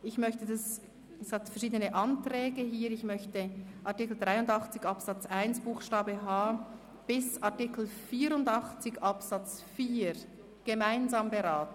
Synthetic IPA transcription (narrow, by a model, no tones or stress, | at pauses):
ɪçmœçtədas | ɛsɡ̥atfɛɐʃiːdənəʔɑntr̥ɛːɡəɦiːɾɪçmœçtəʔɑɐtɪkl̩dʁaɪʊndɑχt͡sɪçɑpsɑt͡saɪnsb̥uːxʃtaːbəɦaː | b̥ɪsatɪkl̩fiːɾʊndɑχt͡sɪçʔɑpsɑt͡sfiːɾ | ɡ̥emaɪnzaːmbəɾaːtn̩